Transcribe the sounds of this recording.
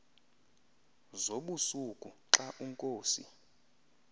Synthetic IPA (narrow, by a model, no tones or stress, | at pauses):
zoɓusukʼuǁaʔuŋkʼoːsḭ